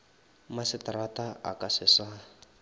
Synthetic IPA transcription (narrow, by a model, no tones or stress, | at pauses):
masɪtaɾataa̰kʼasɪsa